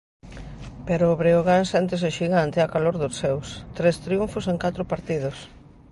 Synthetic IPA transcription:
peɾoːβɾeoɣansɛnt̪̬es̬oʃiɣant̪eakaloɾðʊsewst̪ɾest̪ɾiuɱfʊseŋkat̪ɾopaɾt̪ið̞ʊs

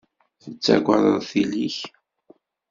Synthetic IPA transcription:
θət͡sːæ̰ɡʷəðˤəðˤθiliç

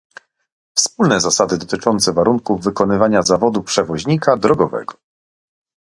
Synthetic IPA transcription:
fspulnɛzasad̪ɘd̪ɔt̪ɘt͡ʂɔnt̪sɛvaɾuŋkuvːɘkɔnɘvaɲazavɔd̪upʂɛvɔʑɲikad̪ɾɔɡɔvɛ̰ɡɔ

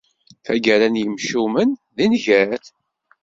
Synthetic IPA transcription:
θæɡæɾænjəmʃumənðinʝæɾθ

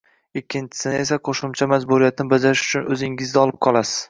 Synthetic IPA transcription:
ɪkʲʰːɪnt͡ʃʰɪ̥sɪnɪe̞s̬aqʰoʃʊmt͡ʃʰamad͡ʒbuɾijat̪nɪbad͡ʒaɾɪʃʊ̥t͡ʃʰʊnɵzɪŋɪzd̪aɒlˠɪp̚qʰɒlˠasɪz̥

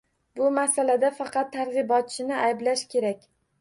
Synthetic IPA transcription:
bʊmasalad̪afɑqʰɑt̪ʰːaɾʁɨbɒt̪̚t͡ʃʰɪnɪʔajblaʃkʲʰe̞ɾakʲ

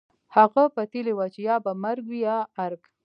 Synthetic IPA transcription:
haɣapat̪ilewat͡ʃejɑbamaɾɡwijɑːɾk

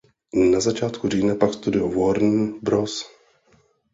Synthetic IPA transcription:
nazat͡ʃaːt̪kuriːnapakst̪udɪovoɾn̩bɾos

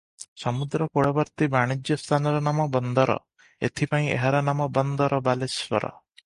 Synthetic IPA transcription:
sɔmud̪ɾɔkoɽɔbɔɾt̪ibaɽ̃id͡ʒjɔst̪ʰanɔɾɔnamɔbɔnd̪ɔɾɔ̰ | ḛt̪ʰipaĩḛɦaɾɔnamɔbɔnd̪ɔɾɔbaleswɔɾɔ̰

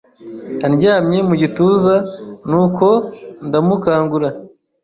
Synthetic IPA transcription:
hanɟaːmɲe̞muɟituːzanuːko̞ndamukaːŋɡuɾa

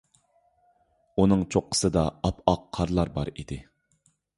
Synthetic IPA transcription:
unɨŋt͡ʃʰoqʰːə̥sɨd̪ɑɑpɑqʰːɑɾlˠɑɾbɑ̰ɾid̪ɪ

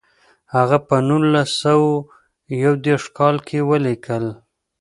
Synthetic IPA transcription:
haɣapənulasaw | jawd̪eʂkɑlkʰewəlikʰəl

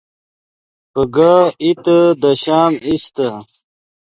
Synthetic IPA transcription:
pəɡait̪əd̪ɐɕaːmist̪ə

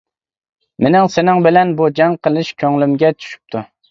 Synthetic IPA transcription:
mɪnɪŋsɪnɪŋbɪlɛnbud͡ʒɑŋqʰəlˠɨʃkʲʰøŋlymɡʲɛt͡ʃʰy̥ʃy̥p̚t̪ʰu

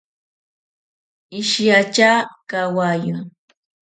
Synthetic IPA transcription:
ɪʃjat͡ʃaːkawajʊ

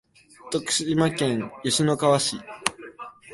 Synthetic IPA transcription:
t̪okɯ̟̥ɕiimakẽ̞ɰjɯɕino̞kaβaɕi

